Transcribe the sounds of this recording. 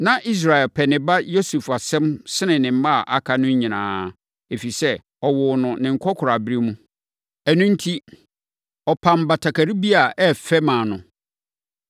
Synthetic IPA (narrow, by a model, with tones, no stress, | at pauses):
nã˨ʔi˦s̬ɾa˨ɛ˨lpʰɛ˨nɪ̃˨ba˦jo˦su˨fa˨sɛ̃˦msɪ˦nɪ̃˨nɪ̃˨m̩˦mã˦a˨ʔa˨kʰa˦nʊ̃˦ɲ˦ɲĩ˨nãː˨˦ | e˨fi˨sɛ˦ | ɔ˨wʊ˨nʊ̃˨nɪ̃˨ŋ̩˨kʰɔ˦kʰʊ˨ɾa˨bi˦ɾi˦mũ˦ | æ˨nũ˦n̩˦tʰi˦ | ɔ˨pʰã˨m˨ba˨tʰa˨kʰa˨ɾi˦bi˦a˨ʔɛ˦fɛ˦mãː˨nʊ̃˨